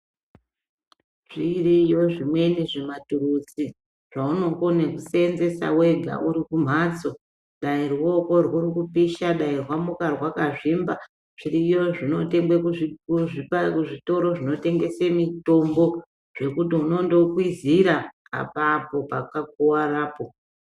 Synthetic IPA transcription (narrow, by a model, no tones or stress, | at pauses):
ʐ̥irijo̞ʐimwe̞niʐematuɾut͡si | ʐ̥auno̞konekusenze̞sa̰we̞ɡʱa̰ʔuɾikum̤at͡so̞ | ɗairuwo̞ko̞rwuɾikupiʃaɗairwamukarwakaʐimba | ʐ̥iɾijo̞ʐino̞teŋɡekkuʐipakuʐito̞ɾo̞ʐino̞te̞ŋɡe̞semito̞mbo̞ | ʐ̥e̞kutiuno̞ndo̞kwiziɾa̰ː | papo̞pakak̚uwaraːpo̞